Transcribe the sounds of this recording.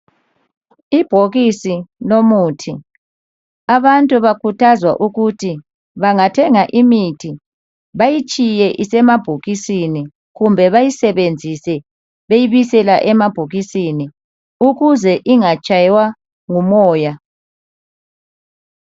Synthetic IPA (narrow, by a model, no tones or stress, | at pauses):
ib̥ʱoɣisinomuːtʰi | aβantʼuβakʰutʰazwa̰ʔuɣutʰi | βaŋatʰɛŋaʔimitʰi | βajit͡ʃʼijɛʔisɛmab̥ʱoɣisini | ɣumbʱɛβajisɛβend͡zʱisɛ | βejiβisɛlaʔɛmab̥ʱoɣisini | uɣuzɛʔiŋat͡ʃʼajwa | ŋumɔːja